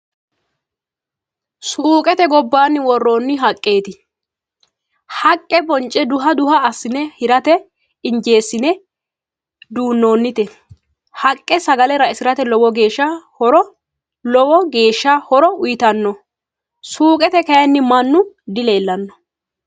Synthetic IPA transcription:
suːkʼɛt̪ɛɡɔbːaːnːɪwɔrːo̞ːnːɪɦɐkʼːe̞ːt̪ɪ | hɐkʼːɛbɔnt͡ʃʼːɛd̪ʊɦɐd̪ʊhɐːsːɪnɛhɪɾɐt̪ɛ | ɪnd͡ʒe̞ːsːɪnɛ | d̪uːnːo̞ːnːɪt̪ɛ | hɐkʼːɛsɐɡɐlɛɾɐɪsɪɾɐt̪ɛlɔwɔɡe̞ːʃːɐhɔɾɔ | lɔwɔɡe̞ːʃːahɔɾɔʊjɪt̪ɐnːɔ | suːkʼɛt̪ɛkɐjɐnːɪmɐnːʊ | d̪ɪle̞ːlːɐnːɔ̥

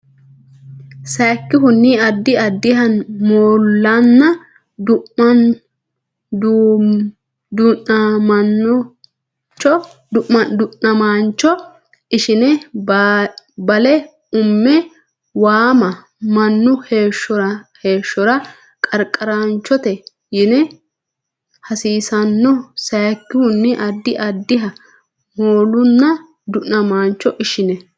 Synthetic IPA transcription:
sɐjkːɪɦʊnːiːɐd̪ːɪɐd̪ːɪɦɐnmoːlːɐnːɐ | d̪ʊɐn | d̪ | d̪ʊɐmɐnːʊ | t͡ʃːɔ | d̪ʊʔmɐnd̪ʊnːɐmaːnt͡ʃːɔ | ɪʃɪnɛ | bɐlɛ | ʊmːɛ | waːmɐ | mɐnːʊheːʃɔɾɐhe̞ːʃːɔɾɐ | kʼɐɾkʼːɐɾaːnt͡ʃːɔt̪ɛ | jɪnɛ | hɐsiːsɐnːɔsɐjkːɪhʊnːɪʔɐd̪ːɪʔɐd̪ːɪɦɐ | moːlʊnːɐ | d̪ʊʔnɐmaːnt͡ʃːɔʔɪʃɪnɛ

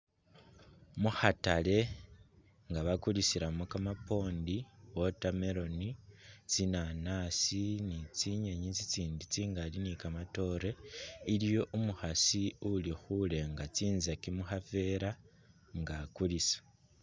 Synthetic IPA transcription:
muhatale̞ | ŋɡaβakulisiɾamokamapo̞ːndiwotameɾo̞nit͡sinanasinit͡siɲeɲit͡sit͡siːndit͡siŋɡalinikamato̞ɾe̞ilijo̞ʔumuxasiulixule̞ŋɡat͡siːnzakimuxafe̞ɾa | ŋɡakulisḁ

